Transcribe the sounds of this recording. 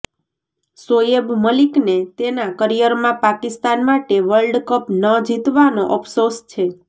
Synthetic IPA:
sojebməliknet̪enakəɾijəɾmãpakist̪anmaʈeʋəɭɖkəpnəd͡ʒit̪ʋanoʔəpʰsost͡ʃʰe

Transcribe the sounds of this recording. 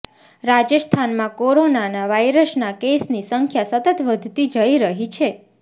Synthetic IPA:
ɾad͡ʒəst̪ʰanmãkoɾonanaʋajɾəsnakesnisəŋkʰjasət̪ət̪ʋəd̪ʱt̪id͡ʒəiɾəɦit͡ʃʰe

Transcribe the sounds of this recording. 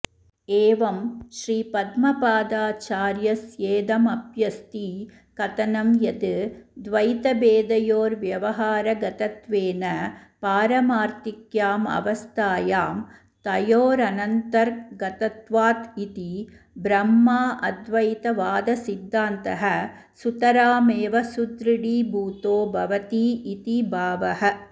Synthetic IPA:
eːʋɐmʃɾiːpɐd̪mɐpaːd̪aːt͡ʃaːɾjɐsjeːd̪ɐmɐbjɐst̪i | kɐt̪ɐnɐmjɐd̪ɯd̪ʋɐjt̪ɐbeːd̪ɐjoːɾʋjɐʋɐɦaːɾɐɡɐt̪ɐt̪ʋeːnɐpaːɾɐmaːɾt̪ɪkjaːmɐ̰ʋɐst̪ʰaːjaːm | t̪ɐjoːɾɐnɐnt̪ɐɾɡɐt̪ɐt̪ʋaːt̪it̪i | bɾɐmːaːʔɐd̪ʋɐjt̪ɐʋaːd̪ɐsid̪ːaːnt̪ɐɦɐ | sut̪ɐɾaːmeːʋɐsud̪ɾɪɽiːbuːt̪oːbʱɐʋɐt̪iːʔit̪ibʱaːʋɐɦɐ

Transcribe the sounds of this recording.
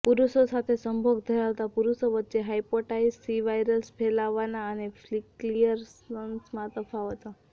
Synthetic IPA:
puɾuʃosat̪ʰesəmbʱoɡd̪ʰʱəɾaʋt̪apuɾuʃoʋətːʃeɦaipoʈaisːiʋajɾəlspʰɛlaʋanaənefʰliklijəɾsənsmãt̪əfʰaʋət̪a

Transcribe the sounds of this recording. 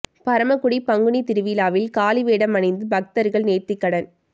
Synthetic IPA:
pɐɾɐmɐkʊɽipɐŋɡɯɳit̪ɪɾɯʋiːlaːʋɪlkaːliʋeːɽɐmɐnɐɪnd̪ɯbɐk̚t̪ɐɾɣɐɭneːrt̪ːɪkːɐɽɐn

